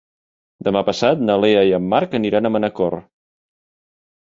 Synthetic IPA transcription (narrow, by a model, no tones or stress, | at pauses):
d̪əmapəsat̪̚nəleəjəmːaɾkəniɾanəmənəkɔr